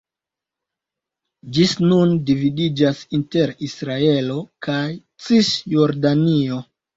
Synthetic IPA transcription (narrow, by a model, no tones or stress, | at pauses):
d͡ʒisnundividid͡ʒasinte̞ɾisɾae̞lo̞kaj | t͡sisjo̞ɾdanio̞